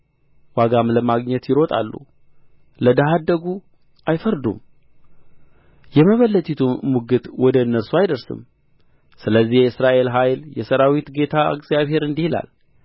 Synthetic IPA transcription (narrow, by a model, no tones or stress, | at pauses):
waɡamləmaɡɲɛt̪jɪɾot̪ʼa̰lːṵ | ləd̪əɦad̪ːəɡu | ʔajfəɾd̪ṵm | jɛməβəlːət̪ʰʼit̪ʰumuɡɨt̪wɔd̪əɨnːəɾsuajd̪əɾsɨ̰m | sɨləzːihjɛɨsɾaʔe̞lɦajljɛsəɾawit̪ɡe̞t̪ʰaɨ̰ɡzijaβhe̞ɾɨnd̪ihila̰l